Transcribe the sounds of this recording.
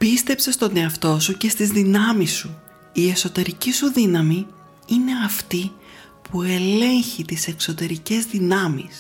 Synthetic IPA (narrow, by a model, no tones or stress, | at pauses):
pist̪e̞pse̞st̪o̞ne̞ɐft̪o̞suce̞st̪izðinɐmisːu | ie̞so̞t̪e̞ɾicisuðinɐmi | ine̞ɐft̪i | pʰue̞le̞ɲçit̪ise̞kso̞t̪e̞ɾice̞zðinɐmis